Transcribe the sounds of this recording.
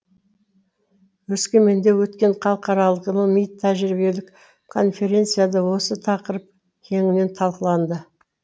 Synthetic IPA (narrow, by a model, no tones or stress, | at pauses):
wɵskʲeme̞nd̪e̞wɵt̪kʲe̞ɴqʰɑlˠəqɑɾɑlˠəqinomijt̪ʰːæʒɾibe̞lɪk | kʰo̞nfʲe̞ɾʲe̞nt̪sɨjad̪əwo̞sət̪ʰɑqəɾəp̚ | kʲʰe̞ŋɪne̞nt̪ʰɑlˠqəlˠɑnd̪ə